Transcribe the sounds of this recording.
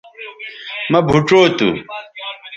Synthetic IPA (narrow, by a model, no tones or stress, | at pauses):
mɐbʱuʈ͡ʂoːt̪ṵ